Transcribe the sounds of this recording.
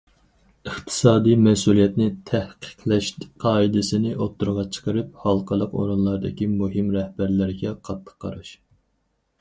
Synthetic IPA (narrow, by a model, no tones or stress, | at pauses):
əχt̪ʰɨ̥sɑːd̪ijmɛsulˠijɛt̪nɪt̪ʰɛhqʰə̥qʰlɛʃqʰɑːid̪ɪsɪnɪʔot̪ːuɾʁɑt͡ʃʰə̥qəɾɨp̚hɑlˠqʰəlˠəqo̰ɾunlˠɑɾd̪ɪkʲimuɦimɾɛhbæɾlɪɾɡʲɛqʰɑt̪ʰːə̥qʰːɑ̰ɾuʃ